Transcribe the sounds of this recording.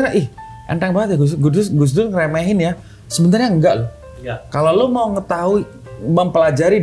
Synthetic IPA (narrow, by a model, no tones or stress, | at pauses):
ɲaʔɪh | ʔə̰nʈɛŋbaɦət̪jaɡusɡudʊsɡus̬d̪ʊnkɾemɛɦɪnja | səbənt̪arɲaəŋɡaʔlʊ | kalolomauŋət̪aɦui | məmpəlad͡ʒaɾi